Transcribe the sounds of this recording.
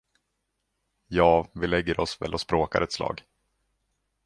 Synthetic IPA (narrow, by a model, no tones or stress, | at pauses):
jɑːvɪlɛɡːəɾʔɔsvɛ̰lʔɔspɾoːka̰ɾɛt̪slɑ̰ːɡ